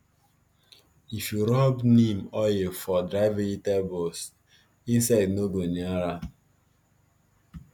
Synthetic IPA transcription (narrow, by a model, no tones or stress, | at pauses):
ifjuɾɔbnĩmɔjefɔdɾaɪvĩjitɛbos | ĩnsaɪdnoɡoniaɾa